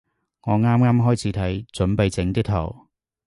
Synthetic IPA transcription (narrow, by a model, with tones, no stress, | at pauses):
ŋɔː˨˧ŋaː˥mŋaː˥mɦɔː˥jt͡sʰiː˨˥t̪ʰɐ˨˥jt͡sɵ˨˥npe˨˧jt͡sɪ˨˥ŋt̪ɪ˥k̚t̪ʰɐ̰˨˩w